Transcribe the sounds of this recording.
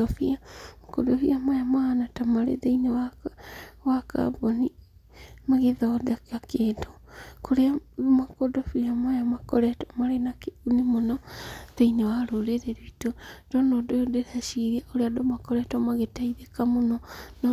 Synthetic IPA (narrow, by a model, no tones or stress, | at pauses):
ɔfiamakɔ̰dɔfiamajamahanatamaɾḛðeinewa | waka̰bɔni | maɣeðɔːdakakedo | koɾeamakɔdɔfiamajamakɔɾɛtɔmaɾenakeunemonɔðeinewaɾoɾeɾeɾuitod̥ɔnɔdojodeɾaʃiɾiaʔoɾeadomakɔɾɛtɔmaɣetaiðekamonɔn